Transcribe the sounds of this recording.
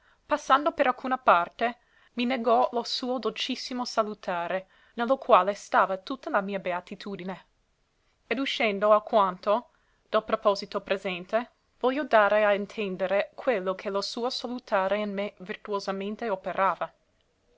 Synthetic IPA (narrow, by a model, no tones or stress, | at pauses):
pasːand̪opeɾalkʰuːnapart̪e | mineɡɔlosuːod̪olt͡ʃisːimosalut̪ʰaːɾe | nelːokwaːlest̪aːvat̪ut̪ːalamiːabeat̪it̪ʰuːd̪ine | ed̪uʃɛnd̪oakwant̪o | d̪̥alpɾopɔzit̪opɾezɛnt̪e | vɔljːod̪aːɾeaint̪ʰɛnd̪eɾekʰwelːokʰelosuːosalut̪ʰaːɾeinmevirt̪uozamẽnt̪eopeɾʔaːva